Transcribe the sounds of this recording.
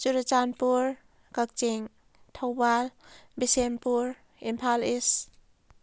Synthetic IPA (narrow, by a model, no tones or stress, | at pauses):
t͡ʃuɾat͡ʃanpuɾ | kak̚t͡ʃiŋ | tʰawbalbisenpuɾ | impʰalis